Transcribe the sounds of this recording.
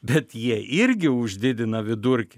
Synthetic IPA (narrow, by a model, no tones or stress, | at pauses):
bʲɛt̪jiɛʔɪɾʲɡʲɪʊʒʲd̪ʲɪd̪ʲɪnɐʋʲɪd̪ʊɾʲkʲɪ